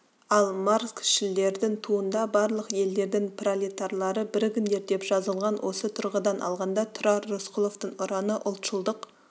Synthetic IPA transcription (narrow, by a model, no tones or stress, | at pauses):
ɑlˠmaɾskʃɪlːe̞ɾd̪ɪŋt̪ʰuənd̪ɑbɑɾlˠəqje̞ld̪e̞ɾd̪ɪŋprolit̪arlˠɑɾəbɪɾɡʲɪnd̪e̞ɾd̪e̞pʒ̥ɑzəlˠʁɑnwʔo̞sət̪ʰʊɾʁəd̪ɑnʔɑ̰lˠʁɑnd̪ɑt̪ʰʊɾɑɾːosqʰʊlˠo̞ft̪əŋʊɾɑnəʔʊlˠt̪ʃəlˠd̪əq